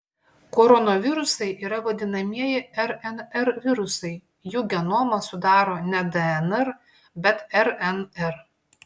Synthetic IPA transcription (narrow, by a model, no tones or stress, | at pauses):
kɔːɾɔnoʋʲɪɾʊsɐɪʔiːɾɐʋɐd̪ʲɪnɐmʲiɛjɪɛɾɛnɛɾʋʲɪɾʊsɐɪ | juːɡʲɛnoːmɐsʊd̪ɑːɾoːnʲɛd̪ɛɛnɛɾ | bʲɛt̪ɛɾɛnɛɾ